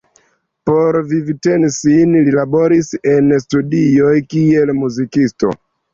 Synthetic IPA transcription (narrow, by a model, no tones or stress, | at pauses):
po̞ɾvivtensinlilabo̞ɾise̞nstudiojkie̞lmuzikisto̞̰